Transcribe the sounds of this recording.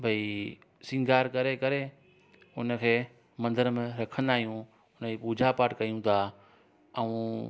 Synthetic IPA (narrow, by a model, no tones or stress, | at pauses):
bʱɐi | sɪ̃ŋɡaːɾkɐɾekɐɾe | ʊnə̆kʰeː | mɐ̃nd̪əɾəmẽɾɐkʰə̃nd̪aːɦijũ | ʊnəiːpuːd͡ʑʱapaːʈkɐijũt̪ʰa | ɛũ